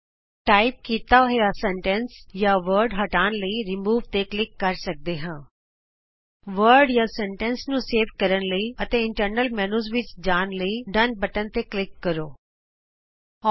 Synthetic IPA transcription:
ʈaːɪp̚kiːt̪aːɦjasɛ̃ɳʈɛ̃nsjaːʋəɾɖɦəʈaːnləiːɾɪmuːʋt̪eklɪkːəɾsək̚d̪eːɦãː | ʋəɾɖjaːsɛ̃ɳʈɛnsnũːseːʋkəɾənləiːət̪ẽːɪɳʈəɾnəlmɛːnuːzʋɪt͡ʃd͡ʒaːnləiːɖənbəʈənt̪eːklɪkːəɾoː

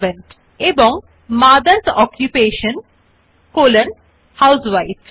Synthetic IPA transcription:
ʋẽɳʈ | ebɔ̃ŋ | maːd̪əɾsɔːkjupeːʃə̃n | koːlə̃n | haʊsʋaɪt

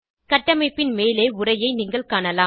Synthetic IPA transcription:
kɐʈːɐmɐɪpːɪnmeːleːʊɾɐjɐɪniːŋɡɐɭkaːɳɐlaː

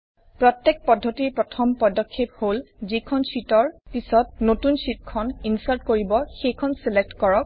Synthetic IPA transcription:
pɹɔtjek̚pɔdʱːotiɹpɹɔtʰɔmpɔdɔkʰːep̚holzikʰɔnsitɔɹpisɔtnotunsit̚kʰɔninsaɹtkoɹibɔxejkʰɔnselek̚tkɔɹɔk̚

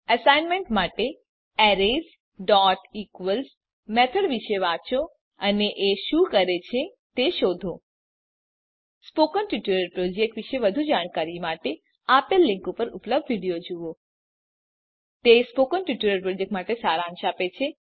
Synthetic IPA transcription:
əsajnmẽɳʈmaʈe | ɛɾez | ɖɔʈikʋəls | mɛt̪ʰəɽʋiʃeʋat͡ʃo | əneʔeʃũkəɾet͡ʃʰet̪eʃod̪ʱo | spokənʈjuʈuɾəɾpɾod͡ʒek̚ʈʋiʃeʋəd̪ʱud͡ʒaɽ̃kaɾimaʈe | apelːĩŋkupəɾupləb̚d̪ʱʋiɽijod͡ʒuʋo | t̪espokənʈjuʈuɾəɾpɾod͡ʒek̚ʈmaʈesaɾãŋʃapet͡ʃʰe

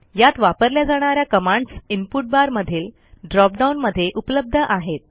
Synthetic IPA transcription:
jat̪ʋapəɾljad͡zaɽ̃aɾjakəmãɳɖsimpuʈ̚baɾməd̪ʱiːl | ɖɾɔp̚ɖaunməd̪ʱːjeʔupləb̚d̪ʱəʔaɦet̪̚

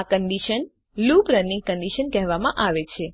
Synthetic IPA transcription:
akəɳɖiʃən | lupɾənĩŋɡ̚kəɳɖiʃənkɛɦʋamãʔaʋet͡ʃʰe

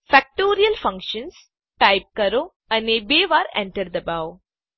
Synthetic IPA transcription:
fɛk̚ʈoːɾiəlfɐ̃ŋkʃə̃ns | ʈaɪp̚kɐɾoː | ɐ̃neːbeːʋaːɾɛ̰̃ɳʈəɾd̪ɐbaʊ

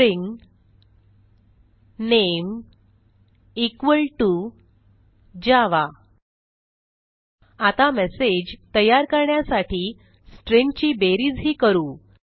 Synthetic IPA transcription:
ɾiŋɡ | nem | ikʋəɭʈu | d͡ʑaʋa | at̪amɛsed͡ʑt̪əjaɾkəɾɳjasaʈʰiː | sʈɾiŋɡt͡ɕiːbeɾiːd͡zɦiːkəɾuː

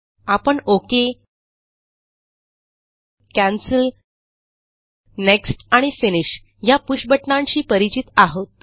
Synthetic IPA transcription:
apəɳoke | kæ̃nsəl | neksʈaɽ̃ifiniɕ | japuɕbəʈɳaɲt͡ɕiːpəɾit͡ɕit̪aɦot̪̚

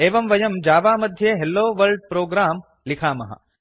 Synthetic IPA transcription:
eːʋɐmʋɐjɐmd͡ʒaːʋaːmɐd̪ʱjeːɦelːoːʋɐlɖ̚pɾoːɡɾaːm | likʰaːmɐ̰ɦɐ̰

